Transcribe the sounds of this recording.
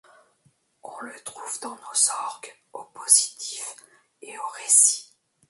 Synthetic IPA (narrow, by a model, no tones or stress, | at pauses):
ɔ̃lət̪χuvd̪ɑ̃nozɔʁɡopozit̪ʰif | eoʁesi̥